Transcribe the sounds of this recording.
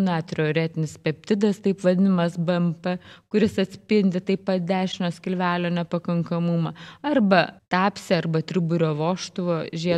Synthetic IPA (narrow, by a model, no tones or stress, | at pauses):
nɑt̪ʲɾʲɛoːɾʲæːt̪ʲɪnʲɪspʲɛpʲt̪ʲɪd̪ɐst̪ɐɪpʋɐd̪ʲɪnɐmɐsbɛmpɛkʊɾʲɪsɐt̪ʲsʲpʲɪnʲd̪ʲɪt̪ɐɪpːɐt̪̚d̪ʲæːʃʲɪnosʲkʲɪlʲʋʲæːlʲoːnʲɛpɐkɐŋkɐmʊmɐɐrbɐt̪ɑːpʲsʲɛɐrbɐt̪ʲɾʲɪbʊɾʲoːʋoːʃt̪ʊʋoːʒʲiɛ